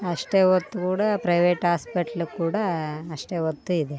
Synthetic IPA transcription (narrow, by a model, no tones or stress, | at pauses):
ɐʂʈeːʋot̪ːukuːɽɐpɾɐjʋeːʈɦaːspɐʈɐlukuːɽɐːʂʈeːʋot̪ːuid̪e